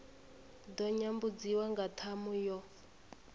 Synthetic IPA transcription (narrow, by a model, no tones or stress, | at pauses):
dɔɲambud͡ziwaŋɡatʰamujɔ